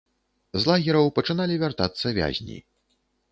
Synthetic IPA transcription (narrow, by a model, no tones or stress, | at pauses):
zlˠaɣʲɛɾɐwpɐt͡ʂɨnalʲivʲart̪at̪sːɐvʲa̰zʲnʲḭ